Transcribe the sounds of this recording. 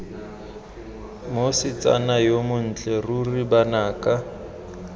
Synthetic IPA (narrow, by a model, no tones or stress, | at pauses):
mosɪt͡sʼa̰najomʊn̩t͡ɬʼɛruribanaːkʼa